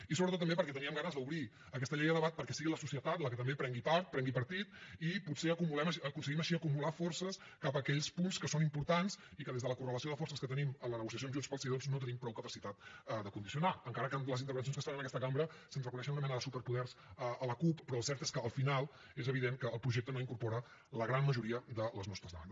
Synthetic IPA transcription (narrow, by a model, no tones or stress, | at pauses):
isoβɾət̪ot̪̬ːəmbepəɾkɛt̪əniəmɡanəzðəuβɾi | əkɛst̪əʎejðəðəβat̪̚pəɾkɛsiɣiləsusiət̪at̪ləkət̪əmbepɾɛŋɡipaɾt̪̚pɾɛŋɡipəɾt̪it̪iputseəkumulɛməʃəkunsəɣiməʃiəkumulafɔɾsəs | kapəkɛʎspunskəsonimpuɾt̪ansikəðezðələkurələsioðəfɔɾrsəskət̪ənimənlənəɣusiəs̬jomʒunspəlˠsiðonznot̪ənimpɾɔwkəpəsit̪at̪d̪əkund̪isiunaəŋkaɾəkənləzint̪əɾβəns̬onskəst̪aβənəkɛst̪əkambɾəsənzrəkunɛʃ̬ənunəmɛnəðəsupəɾpuðɛrzəələkuppːɾɔəlˠsɛɾt̪eskəːlˠfinalˠ | ezəβiðeŋkəːlˠpɾuʒek̚t̪ənoiŋkuɾpɔɾə | ləɣɾanməʒuɾiəd̪ələznɔst̪ɾəzðəa̰nd̪